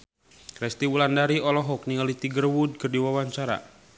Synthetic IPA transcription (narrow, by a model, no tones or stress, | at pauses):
kɾɛst̪iwulandaɾiɔlɔɦɔk̚niŋalit̪iɡərwud̚kərdiwawaɲt͡ʃaɾa̰